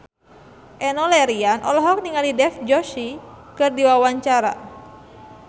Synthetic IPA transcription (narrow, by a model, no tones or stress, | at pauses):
ʔɛnɔlɛɾianʔɔ̰lɔɦɔk̚niŋalidɛfd͡ʒɔʃi | kɨrdiwawaɲt͡ʃaɾa̰